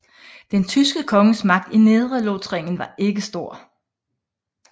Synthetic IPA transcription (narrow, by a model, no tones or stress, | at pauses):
d̥ent͡sʰysɡ̥əkʰɒ̽ŋəsmɑ̈ɡ̥̚d̥ine̝ðˠʁəlot͡sʰʁeŋ̰n̩ʋɑ̈ʔe̝ɡ̥əsd̥o̝ɐ̰